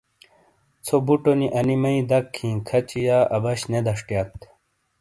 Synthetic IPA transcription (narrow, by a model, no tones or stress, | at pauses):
t͡sʰobuʈoniʔɐnimɐid̪ɐkʰːĩːkʰɐt͡ɕijaːʔɐbɐɕned̪ɐʂʈjat̪